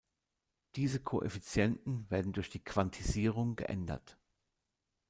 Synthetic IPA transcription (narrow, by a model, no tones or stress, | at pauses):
d̥iːzəkʰo̰ːʔḛfit͡sjɛntn̩veːɐdn̩dʊɐçd̥iːkʰv̥antʰiziːʁ̞ʊŋɡə̰ʔɛ̰ndɐ̰t